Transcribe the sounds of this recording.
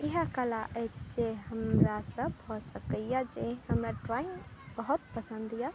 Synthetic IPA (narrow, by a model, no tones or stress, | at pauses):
eɦakəlaʔəjt͡ʃʰd͡ʒeɦəmɾasəbhɔsəkəjad͡ʒeɦəmɾaʈɾaiŋbəɦut̪̚pəsə̃nd̪ʱija